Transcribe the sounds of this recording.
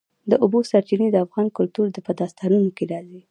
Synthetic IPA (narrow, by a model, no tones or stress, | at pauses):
d̪əʔʊbosaɾt͡ʃinid̪əafɣɑnkʊlt̪uɾd̪əpəd̪ɑst̪ɑnunokeɾɑzi